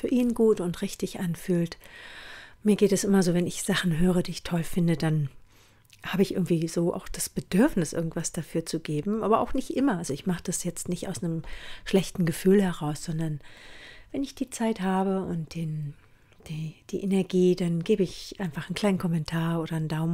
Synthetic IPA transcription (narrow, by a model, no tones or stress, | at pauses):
fyːɐʔiːnɡuːtʊntʁɪçtɪçʔanfyːlt | miːɐɡeːtɛsʔɪmɐzoːvɛnɪçz̥aχn̩ɦøːʁ̞ədiːɪçtʰɔlfɪndədan | haːbəɪçɪ̰ɐɡŋ̩tv̥iːz̥oːʔa̰ʊxd̥asb̥ədʏɐfnɪsʔɪ̰ɐɡŋ̩tv̥asd̥afyːɐt͡suɡeːbm̩ʔaːbɐʔa̰ʊxnɪçtʔɪmɐʔalzoɪçmaχəd̥asjɛt͡stnɪçtaʊsnəmʃlɛçtn̩ɡəfyːlhɛʁ̞aʊsz̥ɔndɐnvɛnɪçd̥iːt͡saɪthaːbəʊnt̚d̥eːn | d̥iːd̥iːʔenɛɐɡiːdanɡeːbəɪçʔaɪnfaχn̩kʰl̥aɪnkʰɔmɛntʰaːɐʔoːɾɐndaʊm